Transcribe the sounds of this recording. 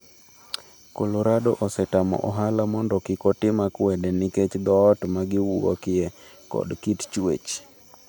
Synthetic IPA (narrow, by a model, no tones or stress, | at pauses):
koloɾadɔʔɔsɛtamɔ̰ʔɔɦalamɔndɔkɪkɔtɪmakwɛdɛnɪket͡ʃd̪ɔːtmaɡɪwuo̰kɪɛ | kɔ̰dkitt͡ʃwḛt͡ʃ